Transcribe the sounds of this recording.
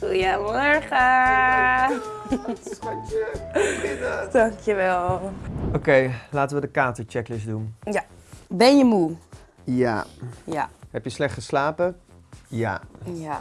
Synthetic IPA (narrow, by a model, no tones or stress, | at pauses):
χujəmɔɹχə | daŋkʰjəʋɛlˠʔokejlaːtəʋədəkaːtəɹt͡ʃɛklɪsdunjabɛnjəmu | ja̰jahɛpjəslɛχtəslaːpə | ja̰ja